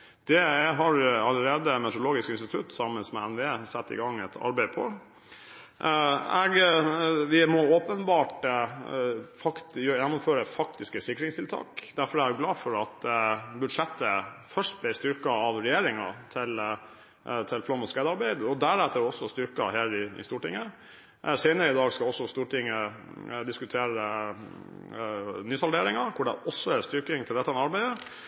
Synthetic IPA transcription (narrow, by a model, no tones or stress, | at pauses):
d̪̥ɛɦɑɾɑlːəɾeːd̪əmɛt̪ɾʊloːɡɪskɪnst̪ɪt̪ʰʉt̪ːsɑmənsmɛɛnʋɛeːsɛt̪ːɪ̰ɡɑŋːɛt̪ʰɑ̰ɾbæɪpʰɔ̰ | ɛɡ | ʋɪmɔoːpənbɑːʈ | fɑkjjɛnːʊmføːɾəfɑkt̪ɪskəsɪkːɾɪŋst̪ʰɪlt̪ʰɑ̰ːkd̪æɾfɔɖæɡlɑːfɔɾɑt̪bʉdʂɛt̪ːəfœʂʈ̚blɪst̪ʏɾkɑɑʋɾɛjeːɾɪŋɑ̰t̪ʰɪl | t̪ʰɪlflɔmːɔskæɪd̪ɑɾbæɪd̪ɔd̪æɾæt̪ːəɔsːɔst̪ʏɾkɑ̰heːɾɪɪ̰st̪uːʈɪ̰ŋːə | seɪnəɾəɪd̪ɑːɡskɑɔsːɔst̪uːʈɪŋːəd̪ɪskʉt̪ʰeːɾə | nyːsɑlɖ̪eːɾɪŋɑkʰʊɖɛ̰ʔɔsːɔæst̪ʏɾkɪŋt̪ʰɪld̪ɛt̪ːɑɛnɑɾbæɪd̪ə